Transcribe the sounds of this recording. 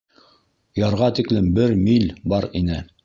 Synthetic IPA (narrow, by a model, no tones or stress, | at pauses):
jɑɾʁɑt̪iklɘmbɘɾmilbɑɾinɘ